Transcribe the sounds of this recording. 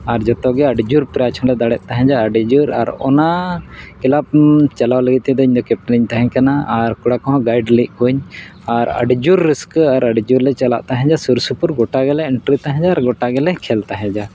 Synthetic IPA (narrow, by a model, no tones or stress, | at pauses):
aɾd͡ʒɔt̪ɔɡɛəɖid͡ʒuɾpɾat͡ʃʰɔnlɛd̪aɽɛʔ̪̚ˀt̪aɦɛ̃d͡ʒaəɖid͡ʒuɾa̰ɾɔ̰nakɛlap̚t͡ʃalawləɡit̪ɛd̪ɔiɲd̪ɔkɛp̚ʈliɲt̪aɦɛ̃ɲkanaaɾkuɽakɔ̃ɦɔ̃ɡajɖliʔ̚kuɲ | aɾə̰ɖid͡ʒuɾːiskaɾəɖid͡ʒuɾlɛt͡ʃala̰ʔt̪aɦɛ̃d͡ʒasuɾsupuɾɡɔʈaɡɛlɛɪɳʈɾit̪aɦɛ̃d͡ʒaːɾɡɔʈaɡɛlɛkʰɛlt̪aɦɛ̃d͡ʒa